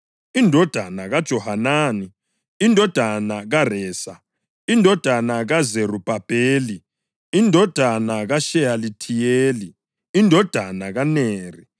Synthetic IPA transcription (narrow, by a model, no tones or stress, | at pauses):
indʱɔd̥ʱanaɣad̥ʒ̥ʱɔhanaːni | indʱɔd̥ʱanaɣarɛːsa | indʱɔd̥ʱanaɣazerub̥ʱab̥ʱeːli | indʱɔd̥ʱanaɣaʃɛalitʰijeːliː | ndʱɔd̥ʱanaɣaneːri